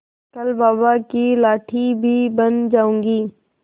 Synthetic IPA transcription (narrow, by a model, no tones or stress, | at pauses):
kəlbaːbakilaːʈʰibʱiːbənd͡ʒaːũːŋɡiː